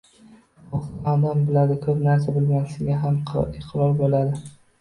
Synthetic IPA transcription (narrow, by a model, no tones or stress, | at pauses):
oχad̪ambɪlad̪ɪkʰɵpnaɾs̬abɪlmʲansɪɡʲaɦamqʰɪqʰɾɒɾbolad̪ɪ